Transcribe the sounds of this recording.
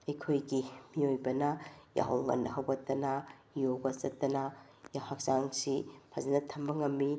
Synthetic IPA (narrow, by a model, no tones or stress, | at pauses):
ɐjkʰojɡimiojbɐnɐja̰ɦɐ̰wŋɐ̰ndɐɦɐwɡɐtːɐnɐ | joɡɐsɐtːɐnɐ | jahak̚zaŋsipʰazɐnɐtʰɐmbɐŋɐmːi